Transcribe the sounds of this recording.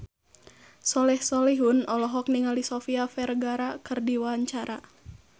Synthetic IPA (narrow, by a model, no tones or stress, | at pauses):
sɔlɛhsɔlɛɦunɔlɔɦɔk̚niŋalisɔfiafɛrɡaɾakɨrdiwaɲt͡ʃaɾa